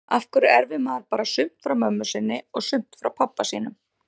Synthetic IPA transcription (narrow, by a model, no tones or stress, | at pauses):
afkʏɾɛɾvɪmaðɾpaːɾasʏm̥t̪fɾawmœmːʏsɪnːɪɔɣsʏm̥t̪fɾawpʰapːasiːnʏm